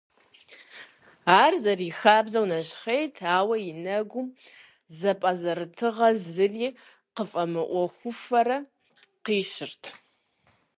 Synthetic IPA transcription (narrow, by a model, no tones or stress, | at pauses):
aːrzɐriːxaːbzɐwnɐɕχejtʰaːwɐjɪnɐɡʷʊm | zɐpʼɐzɐɾɨtʰɨʁɐzɨriː | qəfʼɐmɨʔʷɔxʷʊfɐrɐ | qiːʃɪrtʰ